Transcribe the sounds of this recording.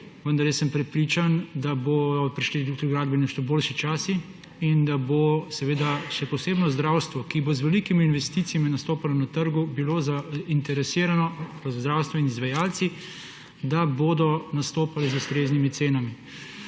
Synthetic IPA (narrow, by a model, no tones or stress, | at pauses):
ʋənd̪aɾjəsːɛmpɾɛpɾiːt͡ʃand̪abodɔpɾiʃlid̪ukt̪ɾiɡɾaːd̪̚binɛʃt̪ɔboːlʃit͡ʃaːsi | ind̪abosɛʋeːd̪aʃɛpɔseːbnɔzd̪ɾaːwst̪ʋɔkibozʋɛlikimiːnʋɛst̪it̪sijaminast̪oːpalɔnat̪əɾɡubilozaint̪ɛɾɛsiːɾanɔɾzzd̪ɾawst̪ʋɔinizʋajaːlt̪si | d̪abod̪ɔnast̪oːpalɛzust̪ɾeːznimit̪seːnami